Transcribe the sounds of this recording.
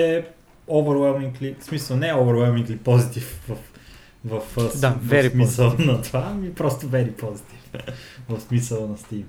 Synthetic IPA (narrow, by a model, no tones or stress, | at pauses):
ɛ | ovəɾwɛlˠmĩŋklismisəlˠnɛovəɾwɛlˠmĩŋɡlipɔzit̪ifvɐf | vɐfsd̪ɛɾmisəlˠnɐt̪vamipɾɔst̪ovɛɾipozit̪ivnvɐfsmisəlˠnɐst̪im